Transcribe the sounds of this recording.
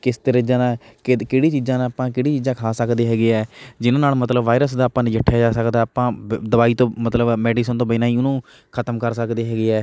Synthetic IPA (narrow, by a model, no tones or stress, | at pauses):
kɪst̪əɾəd͡ʒãːnaːkkɪɽiːt͡ʃiːzãːnãːpãːkɪɽiːt͡ʃiːd͡ʒãːkʰaːsəkd̪eːɦɛːɡeːɛːd͡ʒɪnãːnaːlmət̪ləbʋaːɪɾəs̬d̪aːpãːnːd͡ʒəʈʰːjaːd͡ʒaːsəkd̪aːpãːd̪əbaːiːt̪õːmət̪ləbmɛːɖiːs̬ənt̪õːbənãːiːʊnũː | kʰət̪əmkəɾsəkd̪eːɦɛːɡeːɛː